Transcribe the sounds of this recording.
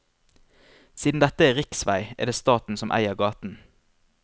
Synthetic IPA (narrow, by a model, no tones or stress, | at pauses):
siːd̪n̩d̪ɛt̪əeːʁɪksʋæɪḛːd̪eːst̪ɑːt̪n̩sɔmʔæ̰ɪəʁɡɑːt̪n̩